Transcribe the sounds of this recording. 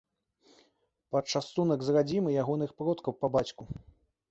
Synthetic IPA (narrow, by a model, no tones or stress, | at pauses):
pɐt̪t͡ʂast̪unɐɡzrad͡zʲimɨjaɣɔnɨxpɾɔt̪kɐwpɐbat͡sʲku